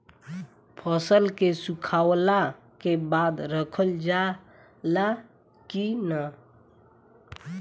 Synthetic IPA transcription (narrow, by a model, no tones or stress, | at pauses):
pʰəsəlkesukʰawla | kebad̪ɾəkʰəld͡ʒa | la | kina